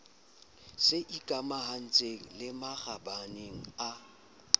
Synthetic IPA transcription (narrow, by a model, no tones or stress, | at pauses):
sɪʔikʼamahan̩t͡sʼeŋ̩lɪmaɣabaneŋ̩a